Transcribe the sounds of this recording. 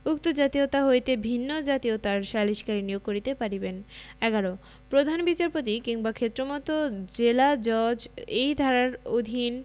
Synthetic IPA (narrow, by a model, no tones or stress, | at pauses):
uk̚t̪od͡ʑat̪iot̪aɦoet̪ebʱinːod͡ʑat̪iot̪aɾʃaliʃkaɾinijoɡ̚koɾit̪epaɾibenɛɡaɾo | pɾod̪ʱanbit͡ɕaɾpot̪̬ikiŋbakʰet̪ːɾomɔt̪od͡ʑelad͡ʑɔɾd͡ʑejd̪ʱaɾaɾod̪ʱin